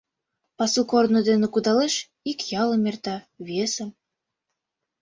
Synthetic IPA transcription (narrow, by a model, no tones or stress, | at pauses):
pɑsukornod̪enə̆kud̪ɑleʃ | ikjɑlɤ̆mʲert̪ɑ | βʲesə̆m